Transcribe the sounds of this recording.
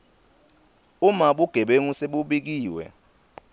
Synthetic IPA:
umaɓuɡ̥ʱɛɓeŋuseɓuɓik̬iːwɛ̰

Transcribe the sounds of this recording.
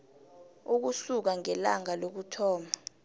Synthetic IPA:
uk̬usuk̬aŋɛlaŋalok̬utʰɔːma

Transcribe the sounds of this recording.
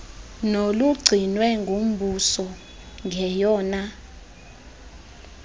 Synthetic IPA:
noluɡ͡ǀʱinwɛŋɡʱom̩bʱusɔ | ŋɡʱɛjɔːna

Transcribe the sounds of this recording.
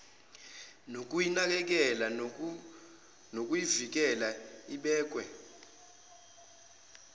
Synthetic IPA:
nok̬ʼujinak̬ɛk̬ɛla | nok̬ʼujivik̬ɛlaiɓɛːk̬ʼwɛ̰

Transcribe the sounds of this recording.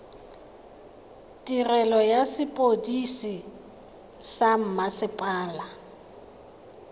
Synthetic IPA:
tʼirɛlɔjasɪpʼodisi | sam̩masɪpʼaːla

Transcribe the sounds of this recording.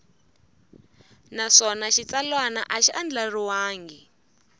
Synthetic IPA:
naʂɔnaʃit͡salwana̰ʔaʃiand͡ɮariwaːŋɡi

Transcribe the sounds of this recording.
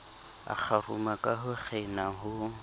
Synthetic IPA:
a̰k͡xʰarṵmakʼaɦʊχʰɛnaɦʊ

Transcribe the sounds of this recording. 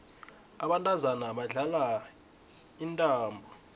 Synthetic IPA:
aɓantʼazanaɓaɮala | intʼaːmbʱɔ

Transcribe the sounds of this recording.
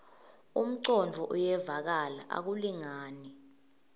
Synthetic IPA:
ṵm̩ǀɔnd͡vʱɔʔujɛvak̬alaʔa̰k̬uliŋaːni

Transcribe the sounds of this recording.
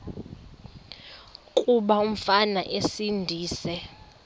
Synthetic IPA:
kʼuɓaum̩fanaʔesindʱiːsɛ

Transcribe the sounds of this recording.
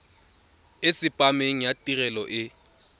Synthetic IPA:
ɪt͡sʼɪpʼameŋ̩jatʼirɛlɔʔɪ

